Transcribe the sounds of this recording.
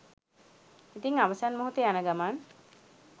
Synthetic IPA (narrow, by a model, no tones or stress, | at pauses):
it̪iŋaʋəsanmoɦut̪eanəɡamaːn